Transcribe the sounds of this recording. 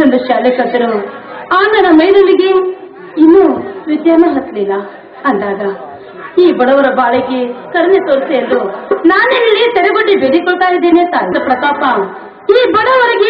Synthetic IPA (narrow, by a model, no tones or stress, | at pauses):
ond̪uʃaːlikɐt̪ɐɾuaːnd̪ɐnɐmɐjɾɐliɡe | inːuʋid̪jaːɾnɐɦɐt̪liːlɐ | ɐnd̪aːɡɐ | iːbɐɽɐʋɐɾɐbaːɭeɡekɐɾɐnet̪oːɾseɐld̪unaːnenɐlːit̪ɛɾɛɡoɖːibeɽikɔɭt̪aːjid̪ːeːneːsaːɾɐɾɐpɾɐk̪aːpaː | iːbɐɽɐʋɐɾɐɡe